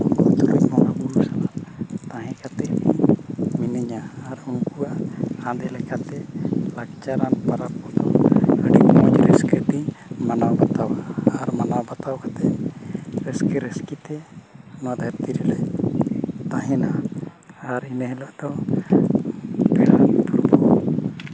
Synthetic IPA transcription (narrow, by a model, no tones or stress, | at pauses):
unkut̪uɾujmɔnabuɾusalat̪ãɦɛ̃kat̪ɛbiminəɲaːɾunkuaʔhãd̪ɛlɛkat̪ɛlakt͡ʃaɾanpaɾap̚kɔd̪ɔəɖimɔ̃d͡ʒɾəskəbimanawbat̪awaːɾmanawbat̪awkat̪ɛ | ɾəskəɾəskit̪ɛnɔwad̪ʱaɾt̪iɾɛlɛ | t̪ãɦɛna | aɾinəɦɛlɔʔd̪ɔ | bɛɽa̰pɾubɔ